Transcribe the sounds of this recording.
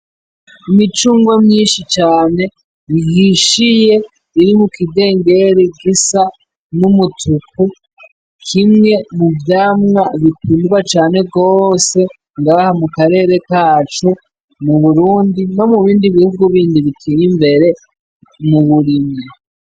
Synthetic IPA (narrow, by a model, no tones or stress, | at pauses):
imit͡ʃuːŋɡwomɲiːnʃit͡ʃaːne̞ | βihiʃije̞ | iɾimukide̞ːŋɡe̞ɾeɡisa | numutuku | kʰimŋe̞muvjaːmŋaβikuːnduwat͡ʃaːne̞ɡo̞se̞ | ŋɡaːhamukaɾe̞ːɾe̞kaːt͡ʃo | muβuɾuːndino̞muβiːndiβihuɡuβiːndiβikʰijimbe̞ɾe̞ | muβuɾimɲe